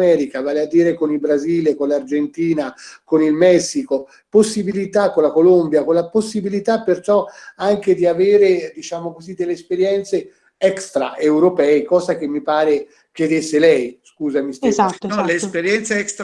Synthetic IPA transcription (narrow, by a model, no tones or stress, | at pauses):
ɛːɾikavaːlead̪ːiːɾekonilbɾaziːlekonlard͡ʒent̪iːnakonilmɛsːiko | posːibilit̪akːolakolombjakolaposːibilit̪apːert͡ʃɔaŋked̪iaveːɾed̪it͡ʃaːmokozid̪elːeːspeɾjɛnt̪se | ɛkst̪ɾa̰ʔewɾopɛːekɔːzak̟emːipaːɾe | kjed̪esːelɛjskuːzamist̪ɛaɔleːspeɾjɛnt̪seɛkst̪